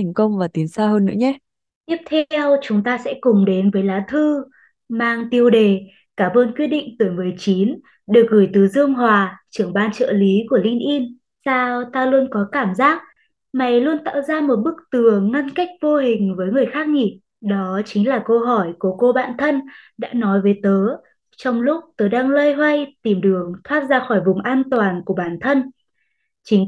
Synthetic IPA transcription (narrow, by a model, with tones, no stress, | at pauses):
ŋ̟kə˧wŋ͡mvaː˨˩t̪i˨˦ənsaː˧ɦəː˧nːɨ̰˧˥əɲɛ˧˦ | t̪i˦˥əp̚t̪ʰwt͡ɕʊ˨˦ŋ͡mt̪aː˧sɛ̰˧˥kʊ˨˩ŋ͡mɗe˨˦nvəː˨˦jlaː˨˦t̪ʰɨ˧ | maː˧ŋt̪i˧əwɗe˨˩ | kaː˧˩mʔəː˧nkwi˧ət̚ɗḭ̈˧˨ŋ̟t̪ɨ˨˩jmɨ˨˩əjt͡ɕi˨˦n | ɗɨ˨˩ək̚ɣɨ˧˩jt̪ɨ˨˦zɨ˧əŋɦwaː˨˩t͡ɕɨ˧˩əŋɓaː˧nt͡ɕə̰ː˧˨li˨˦ku˧˩əli˧nʔi˧n | saː˧wt̪aː˧lu˧ənkɔ˨˦kaː˧˩mzaː˦˥k̚ | ma˨˩jlu˧ənt̪a̰ː˧˨wzaː˧mo˨˩t̚ɓɨ˦˥k̚t̪ɨ˨˩əŋːa˧nka˦˥jk̟̚vo˧ɦï˨˩ŋ̟vəː˨˦jŋɨ˨˩əjxaː˦˥k̚ŋi˨˩ | ɗɔ˨˦t͡ɕï˨˦ŋ̟laː˨˩kə˧ɦɔ˧˩jku˧˩əko˧ɓa̰ː˧˨nt̪ʰə˧nɗa̰ː˧˥nɔ˨˦jvəː˨˦jt̪əː˨˦ | t͡ɕɔ˧wŋ͡mlʊ˦˥k͡p̚t̪əː˨˦jɗaː˧ŋləː˧jɦwa˧jt̪i˧˩mɗɨ˨˩əŋt̪ʰwaː˦˥t̚zaː˧xɔ˧˩jvʊ˨˩ŋ͡mʔaː˧nt̪waː˨˩nku˧˩əɓaː˧˩nt̪ʰə˧n | t͡ɕï˨˦ŋ